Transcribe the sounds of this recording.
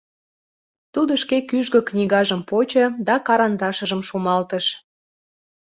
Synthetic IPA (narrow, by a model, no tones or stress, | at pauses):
t̪ud̪əʃkekyʒɣə̆knʲiɣɑʒəmpot͡ɕəd̪ɑkɑɾɑnd̪ɑʃə̆ʒəmʃumɑlt̪əʃ